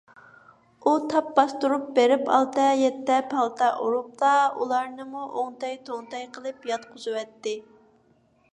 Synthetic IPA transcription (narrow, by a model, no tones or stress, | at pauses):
ut̪ʰɑp̚bɑst̪uɾup̚beɾɪpʰɑ̰lˠt̪ɛjɛt̪ːɛpʰɑlˠt̪ʰɑʔuɾup̚lˠɑṵlˠɑɾnɨmuʔoŋt̪ɑjt̪ʰoŋt̪ʰɑjqʰəlˠɨpjɑt̪qʰʊzɨwɛt̪ːɪ